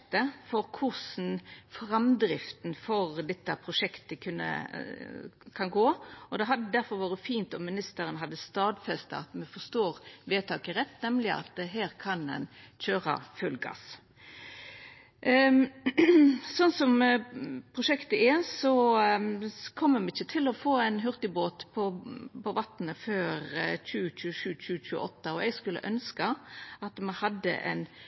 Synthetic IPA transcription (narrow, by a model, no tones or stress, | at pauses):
t̪əfɔɾkʰʊsn̩fɾɑmd̪ɾɪft̪n̩fɔʁd̪ɛt̪ːəpʰɾʊʂɛkt̪əkʰʉnːə̰ | kʰɑnɡoːɔd̪ɛɦɑd̪ːəd̪æɾfɔɾʋɑːɾəfiːnt̪ɔmmɪnɪst̪əɾənɦɑd̪ːəst̪ɑːd̪fɛst̪ə̰ɑt̪mɛfɔst̪oːʁʋeːt̪ʰɑːkəʁɛt̪ːnɛmlɪɑ̰t̪̚d̪ɛɦæːɾkʰɑnd̪ɛ̰nçøːʁɑ̰fʉlɡɑ̰s | sɔnːsɔm | pʰʁʊʂɛkt̪əɛsɔ | kʰɔmːəmɛɪçət̪ʰɪlɔfoːɛɪnɦʉʁt̪ɪboːt̪pʰɔpʰɔʋɑt̪nəføːɾçʉːəçʉːʃʉːc͡çʉːc͡çʉːəʔɔt̪ːɑɔʔɛɡskʉlːə̰ʔœnskɑɑt̪mɛhɑd̪ːə̰ʔɛ̰ɪn